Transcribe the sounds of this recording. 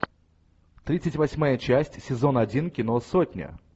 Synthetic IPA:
t̪ɾʲit̪sɨtʲvɐsʲmajət͡ɕæsʲtʲsʲɪzo̞nɐdʲinkʲinosotʲnʲə̰

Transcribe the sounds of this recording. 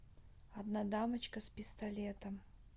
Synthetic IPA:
ɐd̪nad̪amɐt͡ɕkəspʲɪst̪ɐlʲet̪ɐm

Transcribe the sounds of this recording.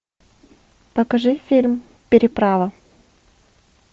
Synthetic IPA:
pɐkɐʐɨfʲilʲm | pʲɪɾʲɪpɾavə

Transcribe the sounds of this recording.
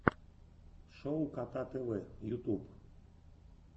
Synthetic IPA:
ʃowkat̪at̪elejut̪ub

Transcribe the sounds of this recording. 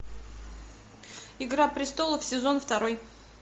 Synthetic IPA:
ɪɡɾapɾʲɪst̪o̞lˠəfsʲɪzo̞nft̪ɐɾo̞j

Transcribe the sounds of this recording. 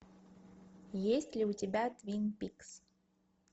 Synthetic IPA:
jesʲtʲlʲɪʊtʲɪbʲat̪vʲinpʲiks

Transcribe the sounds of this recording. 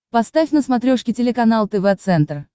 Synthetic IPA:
pɐst̪afʲnəsmɐt̪ɾʲoʂkʲɪtʲɪlʲɪkɐnalˠt̪ɛvɛt̪sɛnt̪r

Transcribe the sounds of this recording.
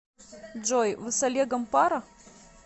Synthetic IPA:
d͡ʒojvɨsɐlʲeɡɐmpaɾa

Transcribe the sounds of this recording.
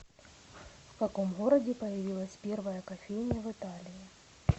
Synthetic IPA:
fkɐko̞mɣoɾɐdʲɪpɐjɪvʲilˠəsʲpʲervɐjəkɐfʲejnʲɪjəvɨt̪alʲɪjɪ

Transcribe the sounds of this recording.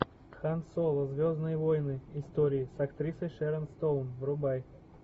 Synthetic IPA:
xansolˠəzvʲoznɨjvojnɨɪst̪oɾʲɪːsɐkt̪ɾʲisəjʂɛɾənst̪olˠmvɾʊbaj

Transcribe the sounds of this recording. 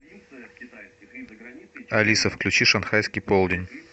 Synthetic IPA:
ɐlʲisəfklʲʉt͡ɕiʂɐnxajskʲɪjpolˠdʲɪnʲ

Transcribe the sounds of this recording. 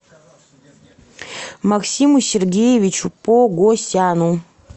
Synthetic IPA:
mɐksʲimusʲerɡʲejevʲit͡ʃupoɡosʲtʲanu

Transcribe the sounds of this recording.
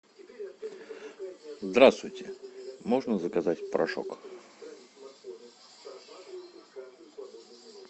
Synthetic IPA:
zd̪ɾast̪vʊjtʲɪmoʐnəzəkɐzatʲpɾʔɐ̰ʂo̰k

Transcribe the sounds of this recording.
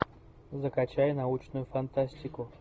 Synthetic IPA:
zəkɐt͡ɕajnɐut͡ɕnʊjʊfɐnt̪asʲtʲɪkʊ

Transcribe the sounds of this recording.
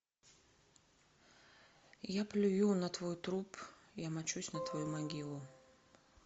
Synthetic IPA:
japlʲʊjunɐt̪vojt̪ɾupijamɐt͡ɕusʲnət̪vɐjumɐɡʲilˠʊ

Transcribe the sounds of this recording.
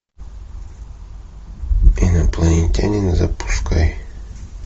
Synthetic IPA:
inɐplˠɐnʲenʲt̪ʲa̰nʲɪnzɐpu̥skaj

